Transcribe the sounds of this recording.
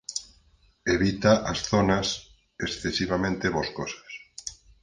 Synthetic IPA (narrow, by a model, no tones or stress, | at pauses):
eβit̪aʔasθonas | esθesiβamẽnt̪eβoskosḁs